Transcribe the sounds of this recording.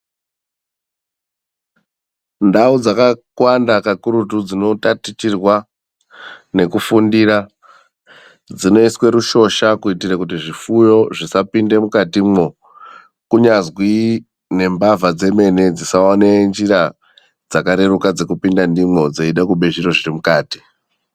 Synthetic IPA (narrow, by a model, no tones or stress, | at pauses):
ndaud͡zakakwandakakuɾutud͡zino̞tatit͡ʃirwa | ne̞kufundira | d͡zino̞iswe̞ɾuʃo̞ʃakuitirakutiʐifujo̞ʐisapinde̞mukatimo̞ | kuɲazwi | ne̞mbavad͡ze̞me̞ne̞d͡zisaonend͡ʒira | d͡zakaɾe̞rukad͡ze̞kupindandimo̞d͡zeiɗakuɓe̞ʒiɾo̞ʐirimukaːti̥